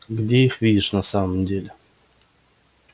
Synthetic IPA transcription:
ɡdʲeixvʲidʲɪʂnasaməmdʲelʲɪ

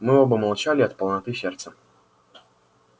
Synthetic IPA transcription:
mɨobəmɐlˠt͡ɕalʲɪɐt̪pəlˠnɐt̪ɨsʲert̪sə

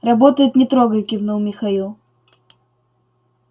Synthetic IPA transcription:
rɐbot̪əjɪt̪nʲɪt̪ɾoɡəjɪkʲɪvnowmʲɪxɐilˠ

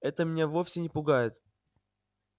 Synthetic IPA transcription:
ɛt̪əmʲɪnʲevofʲsʲɪnʲɪpʊɡajɪt̪

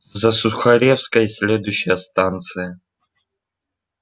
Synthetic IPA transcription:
zɐsʊxɐɾʲefskəjsʲlʲed̪ʊjɕːɪjəst̪ant̪sɨjə

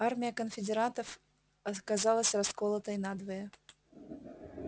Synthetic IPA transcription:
armʲɪjəkənfʲɪdʲɪɾant̪əf | ɐkazɑlˠəsʲraskolˠət̪əjnad̪vəjə

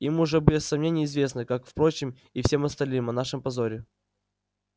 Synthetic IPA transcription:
imʊʐɛbʲɨɪsːɐmnʲenʲɪjɪzvʲe̞snɨkakfpɾo̞t͡ɕɪm | ifsʲe̞mɐst̪ɐlʲnɨmɐnaʂɨmpɐzo̞ɾʲɪ

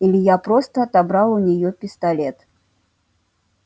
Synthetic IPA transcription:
ilʲijapɾɔst̪ɐt̪abɾalˠunʲɛjɔpʲist̪alʲɛt̪

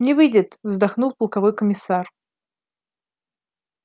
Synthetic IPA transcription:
nʲɪvɨjdʲɪt̪vzd̪ɐxnulˠpəlˠkɐvo̞jkəmʲɪsar

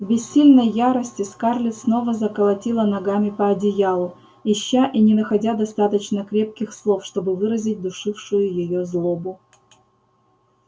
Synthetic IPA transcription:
vbʲɪsʲːilʲnəjːaɾəsʲtʲɪskarlʲɪsno̞vəzəkəlˠɐtʲilˠənɐɡamʲɪpɐɐdʲɪjalˠʊ | ɪɕːaʔinʲɪnəxɐdʲad̪ɐst̪at̪ət͡ɕnəkɾʲe̞p̚kʲɪxslˠofʂt̪o̞bɨvɨɾəzʲɪt̚ʲd̪ʊʂɨfʂʊjʊjɪjozlˠo̞bʊ

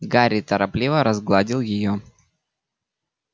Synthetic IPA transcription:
ɡaɾʲɪt̪əɾɐplʲivəɾɐzɡlˠadʲɪlˠjɪjo

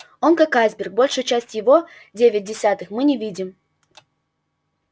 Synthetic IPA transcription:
o̞nkakazʲbʲɪrk̚bo̞lʲʂɨjt͡ɕæsʲtʲjɪvo̞ | dʲevʲɪt̚ʲdʲɪsʲat̪ɨxmɨnʲɪvʲidʲɪm

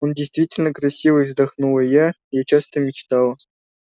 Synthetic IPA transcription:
ondʲejst̪vʲitʲɪlʲnə̆krɐsʲːivəzd̪ɑχnulə̆ja | jat͡ɕasʲt̪ʲəmʲit͡ɕt̪ɑlɤ̆

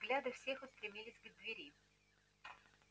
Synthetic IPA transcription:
ɡlʲad̪ɨfsʲexʊst̪ɾʲɪmʲilʲɪsʲɡ̪d̪vʲeɾʲi

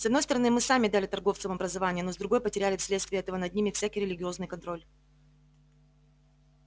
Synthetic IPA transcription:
sɐd̪no̞jst̪əɾɐnɨmɨsamʲɪd̪alʲɪt̪ɐrɡo̞ft̪səmɐbɾəzɐvanʲɪjəno̞zd̪ɾʊɡo̞jəpətʲɪɾʲælʲɪfsʲlʲet̪st̪vʲɪjəɛt̪əvənɐd̪nʲimʲɪfsʲækɪjɾʲɪlʲɪɡʲɪo̞znɨjkɐnt̪ɾo̞lʲ

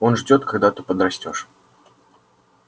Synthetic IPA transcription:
onʐd͡zʲɔt̪kaɡd̪at̪upəd̪ɾɐsʲtʲɔʂ

